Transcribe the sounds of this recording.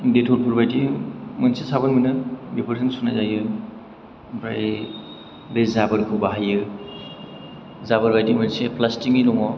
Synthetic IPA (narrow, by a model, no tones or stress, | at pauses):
detʰɔɾpʰuɾbajdimɯnsesabɯnmɯnɯbepʰɯɾsɯŋsunazajɯ | bɾaj | bezabɯɾkʰɯbaɦajɯ | zabɯɾbajdimɯnsepʰlastiŋiɾɔŋɔ